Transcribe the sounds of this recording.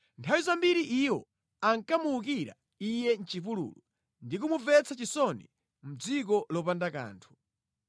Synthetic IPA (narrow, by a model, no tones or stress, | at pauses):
ntʰawizambiɾiʔiwɔ̰ | aŋkamuuk̬iɾa̰ | ijɛn̩t͡ʃifulṵːlu | ndik̬umuvɛt͡sat͡ʃisɔnḭ | m̩d͡zikɔlɔpandaka̰ːntʰu̥